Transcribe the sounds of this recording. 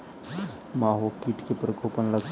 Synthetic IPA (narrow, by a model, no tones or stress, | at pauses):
maːɦokiʈkepɾəkoːpənlɐɡ